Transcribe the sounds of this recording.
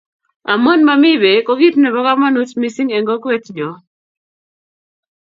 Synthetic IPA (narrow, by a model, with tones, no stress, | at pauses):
a̰˨mɔ˦nma˦mɪ˦be˨kɔ˦ɡi˦tnɛ˨βɔ˦ka˦ma˦nu˦tmi˦si˦ŋɛ˨ŋɡɔ˦kwɛ˦td͡ʒɔ˨